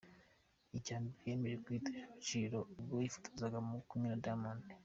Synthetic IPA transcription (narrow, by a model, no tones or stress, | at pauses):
icaːmbiɾje̞ːmeɾekwiteʃaβat͡ʃiɾo̞ubɡojifu̥tʰḁzaɡamukumɲinadaman